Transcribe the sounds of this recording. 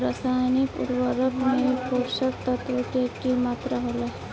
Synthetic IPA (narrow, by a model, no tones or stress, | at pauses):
ɾasaːjnikṵɾʋəɾəkmẽkoːɾʃək̚t̪ət̪ʋəkeʈkimaːt̪ɾaɦola